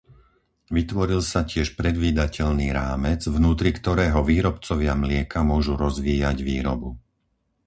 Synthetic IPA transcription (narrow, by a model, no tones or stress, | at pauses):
ʋit̪ʋɔɾilsacɪɛʃpɾɛd̪ʋiːd̪acɛʎniːɾaːmɛd͡zvnuːt̪ɾikt̪ɔɾɛːɦɔʋiːɾɔpt͡sɔʋɪamlɪɛkamʊɔʒuɾɔzʋiːjaɟʋiːɾɔbu